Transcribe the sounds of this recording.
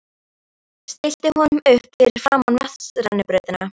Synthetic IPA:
st̪ɪst̪ɪhunmʏhpiɾɪɾ̥faːmanvaθsɾa̰nːɪpɾœɥðɪna

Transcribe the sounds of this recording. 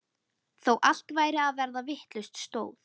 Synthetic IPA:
θowʔal̥t̪vaːjɾɪaðvɛɾðavɪht̪lʏst̪st̪oːwθ

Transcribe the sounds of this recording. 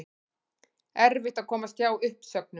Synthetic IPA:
ɛɾvɪht̪aðkʰɔːmasc̪jaːwʏhpsœk̚nʏ

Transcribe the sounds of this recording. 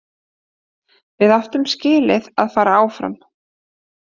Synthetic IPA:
vɪðaft̪ʏmscɪːlɪðaðfaːɾaaːwfɾa̰m

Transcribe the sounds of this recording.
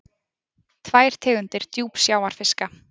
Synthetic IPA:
t̪ʰvaːjɾ̥t̪ʰɛːɣʏnt̪ɪɾ̥t̪juːpsjaːwaɾ̥fɪska

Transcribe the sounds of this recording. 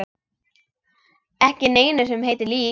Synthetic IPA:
ɛhcɪneːjnʏsɛmɦeːjt̪ɪɾliː

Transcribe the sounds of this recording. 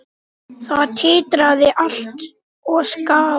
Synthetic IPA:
θaðt̪ʰɪːt̪ɾaðɪʔal̥t̪ | ɔɣskaː

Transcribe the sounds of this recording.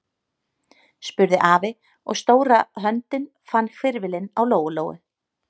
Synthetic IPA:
spʏɾðɪʔaːvɪ | ɔ̰ɣst̪oːwɾaɦœnt̪ɪn | fanːkʰvɪɾvɪlɪnawloːwɣʏloːwɪ̰

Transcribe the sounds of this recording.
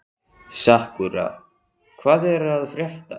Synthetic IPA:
sahkʏɾa̰ | kʰvaːðɛɾaðfɾjɛht̪a

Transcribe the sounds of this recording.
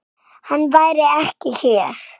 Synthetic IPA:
hanːvaːjɾɪɛhcɪçɛːɾ̥

